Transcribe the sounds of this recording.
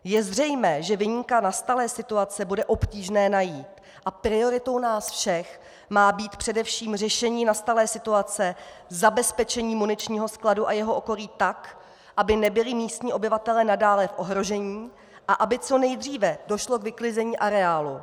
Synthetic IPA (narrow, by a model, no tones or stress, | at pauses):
jɛzr̝ɛjmɛːʒɛvɪɲikanast̪alɛːsɪt̪uat͡sɛbudɛʔo̞pciːʒnɛːnajiːt̪ | ʔapɾɪo̞ɾɪt̪o̞wnaːsfʃɛx | maːbiːt̪pr̝̥ɛdɛfʃiːmr̝ɛʃɛɲiːnast̪alɛːsɪt̪uat͡sɛ | zabɛspɛt͡ʃɛɲiːmunɪt͡ʃɲiːɦo̞skladuʔajɛɦo̞ʔoko̞ɾiːt̪ak | ʔabɪnɛbɪlɪmiːst̪ɲiːʔo̞bɪvat̪ɛlɛːnadaːlɛfʔo̞ɦɾo̞ʒɛɲiː | ʔaʔabɪt͡so̞nɛjd̪r̝iːvɛdo̞ʃlo̞kvɪklɪzɛɲiːʔaɾɛaːlu